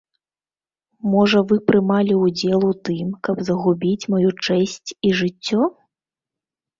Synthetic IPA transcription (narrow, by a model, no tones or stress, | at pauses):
mɔʐɐvɨpɾɨmalʲiud͡zʲɛlˠut̪ɨmkɐbzɐɣubʲit͡sʲmɔjut͡ʂɛsʲt͡sʲiʐɨt͡sʲːɔ